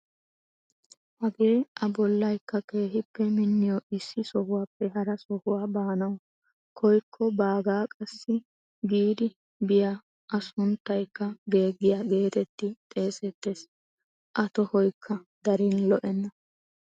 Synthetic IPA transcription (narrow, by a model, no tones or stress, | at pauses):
hɐɡe̞ːʔɐbɔlːɐjkːɐke̞ːɦɪpːɛmɪnːɪjɔʔɪsːɪsɔhʊwaːpːɛɦɐɾɐsɔhʊwaːbaːnɐw | kʰɔjkʰːɔbaːɡaːkʼɐsːɪ | ɡiːd̪ɪ | bɪja | ʔɐsʊnt̪ːɐjkːɐɡe̞ːɡːɪjaɡe̞ːt̪ɛt̪ːɪt̪ʼe̞ːsɛt̪ːe̞ːs | ʔɐt̪ɔhɔjkʰːɐd̪ɐɾinlɔʔɛnːɐ